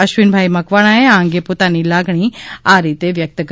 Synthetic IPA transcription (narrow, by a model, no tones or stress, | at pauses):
əʃʋinbʱaimɐkʋaɽ̃aɦeãŋɡepot̪aniːlaɡɳ̃iːaɾit̪eʋjək̚t̪ək